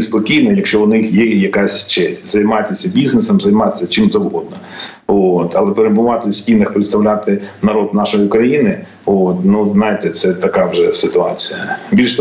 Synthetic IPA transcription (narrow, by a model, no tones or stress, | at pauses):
spɔkʲijnɔjɐkʃt͡ʃɔʊnɪxjɛjɐkasʲt͡ʃɛsʲtʲzɐjmɑtʲɐsʲɐbʲiznesɐmzɐjmɑt̪ʲɪ̥sʲɐt͡ʃɪmzɐwɦɔd̪̚nɔ | t̪ɐlˠɛpeɾɪbʊʋɑt̪ɪsʲtʲinɐxpɾɪt̪st̪ɐʋwlʲat̪ɪnɐɾɔd̪nɑʃɔjiʊkɾɐjinɪ | ot̪nuznɑjɪt̪ɛt̪sɛt̪ɐkɑʋʒɛsɪt̪ʊɑt͡sʲijɐbʲilʲʃ